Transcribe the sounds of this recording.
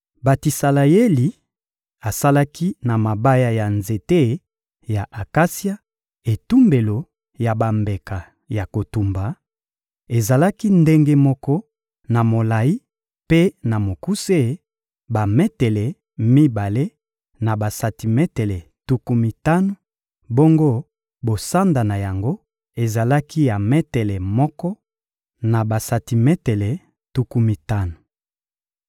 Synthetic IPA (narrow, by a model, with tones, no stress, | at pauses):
ba˨ti˨sa˨la˨je˦li˨ | a˨sa˦la˦kʰi˦na˨ma˨ba˦ja˦ja˨nze˨te˦˨˦ | ja˨ʔa˨ka˦si˦a˦ | e˨tu˦mbe˨lo˨ | ja˨ba˨mbe˨ka˨ | ja˨ko˨tu˨mba˨ | e˨za˨la˦ki˦nde˦ŋɡe˦mɔ˦kɔ˦ | na˨mo˨la˨ji˦ | pe˦na˨mo˨ku˦se˦˨˦ | ba˨mɛ˦tɛ˨lɛ˨ | mi˦ba˨le˦ | na˨ba˨sa˨ti˨mɛ˦te˨lɛ˨ | tu˨ku˨mi˨ta˦no˨ | bo˦ŋɡo˦ | bo˨sa˦nda˨na˨ja˨ŋɡo˦ | e˨za˨la˦ki˦ja˨me˦tɛ˨lɛ˨mɔ˦kɔ˦ | na˨ba˨sa˨ti˨mɛ˦tɛ˨le˨ | tu˨ku˨mi˨ta˦no˨